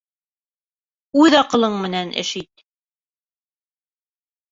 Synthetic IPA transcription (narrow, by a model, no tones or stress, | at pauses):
ʉðɑqɤ̆lˠɤɴmɘ̆nænʔɘ̰̆ʃit̪̚